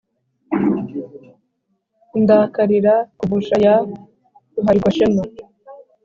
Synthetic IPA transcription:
ndakaɾiɾakubuʃaja | uɦaɡwaʃeno

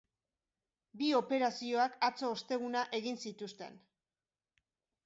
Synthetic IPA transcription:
bio̞pe̞ɾasio̞akat͡so̞ːst̪e̞ɣ̞unaʔe̞ɣinsit̪ust̪e̞̰n

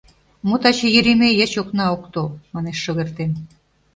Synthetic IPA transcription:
mot̪ɑt͡ɕejyɾemejet͡ɕoknɑokt̪omɑneʃːoɣert̪en

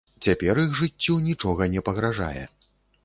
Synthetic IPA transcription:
t͡sʲapʲɛɾiɣʐɨt͡sʲːunʲit͡ʂɔɣɐnʲɛpɐɣɾaʐa̰jɛ̰

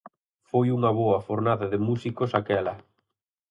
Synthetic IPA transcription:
fojuŋɐβoɐfoɾnaðɐðɪmusikosakɛlɐ

